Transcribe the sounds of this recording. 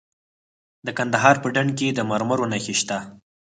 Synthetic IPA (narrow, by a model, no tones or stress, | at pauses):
d̪əkand̪aɦɑɾpəɖaɳked̪əmaɾmaɾonaxeʃt̪a